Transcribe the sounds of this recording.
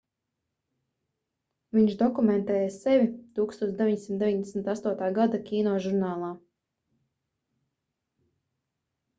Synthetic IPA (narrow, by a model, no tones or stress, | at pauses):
viɲʃd̪ɔkumɛ̃nt̪ɛːjasɛvʲit̪uːkst̪uɔd̪eviɲʲsimt̪d̪eviɲd̪esmʲit̪ast̪uɔt̪aːɡad̪akʲiːnɔːʒuɾnaːlˠaː